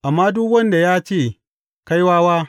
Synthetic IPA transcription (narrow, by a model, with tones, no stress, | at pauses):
ʔa˨mːaː˦dʊ˦kwɐ˦nda˨jaː˦t͡ʃeː˦˨ | ka˦jwaː˦waː˦